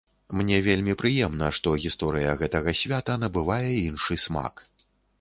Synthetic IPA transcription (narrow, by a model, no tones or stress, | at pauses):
mnʲɛvʲelʲmʲipɾɨjɛmnɐʂt̪ɔɣʲist̪ɔɾɨjɐɣɛt̪ɐɣɐsʲvʲat̪ɐn̪ɐbɨvajɛinʂɨsʲma̰k